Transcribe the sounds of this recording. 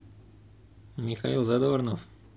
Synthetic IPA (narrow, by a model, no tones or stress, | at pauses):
mixailˠzad̪oɾnɔf